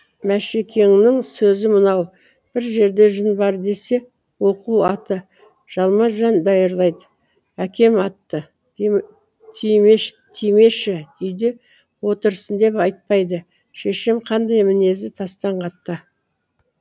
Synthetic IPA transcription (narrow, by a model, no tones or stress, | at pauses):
mæʃekʲʰe̞ŋnɪŋsɵzɪmənɑw | b̥ɪɾʒe̞ɾd̪e̞ʒənbɑɾd̪e̞se̞ | wo̞quɑt̪ə | ʒ̥ɑlˠmɑʒɑnd̪ɑjəɾlˠɑjd̪ə | ækʲʰe̞mɑt̪ːə | t̪ʰime | t̪ʰijme̞ʃɪʏjd̪e̞ | wo̞t̪əɾsənd̪e̞pɑjt̪̚pɑjd̪ə | ʃe̞ʃɪmqʰɑnd̪ɑjmɪne̞zɪt̪ʰɑst̪ɑɴqʰɑt̪ːə